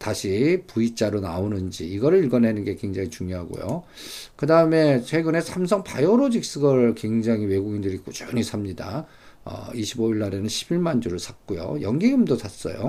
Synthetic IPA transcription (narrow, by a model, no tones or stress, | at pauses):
taɕʰipuit͡ɕ͈aɾonaonɯnd͡ʑiiɡʌɾɯɭiɭɡʌnɦenɯnɡe̞kwe̞ŋd͡ʑaŋit͡ɕuŋjoɦaɡo̰jo̰ | kɯdaɯme̞t͡ɕʰwe̞ɡɯne̞sʰams̬ʰʌŋpajoɾod͡ʑik̚s͈ɯɡʌɭkwe̞ŋd͡ʑaŋiwe̞ɡuɡindɯɾik͈ot͡ɕʌnisʰamɲida̰ | ʌ̰iɕʰiboiɭːaɾe̞nɯnɕʰibiɭmand͡ʑuɾɯɭsʰak̚k͈ujo̰jʌŋɡiɡɯmdotas͈ʌ̰jo̰